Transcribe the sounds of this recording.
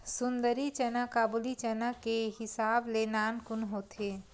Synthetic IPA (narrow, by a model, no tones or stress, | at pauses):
sʊ̃nd̪əɾit͡ʃənəkaːbulit͡ʃənəkːeɦɪsaːblenaːnkʊnɦoːt̪ʰe